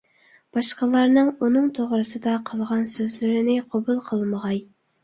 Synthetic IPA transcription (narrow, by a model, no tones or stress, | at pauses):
b̥ɑʃqəlˠɑɾnɨŋunɨŋt̪ʰoʁɾɨsɨd̪ɑqʰəlˠʁɑnsøzlɪɾɪnɪqʰobulˠqʰəlˠməʁɑj